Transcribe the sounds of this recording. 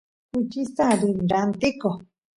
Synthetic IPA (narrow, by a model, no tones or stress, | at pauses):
hut͡ʃisaɾinɾant̪iko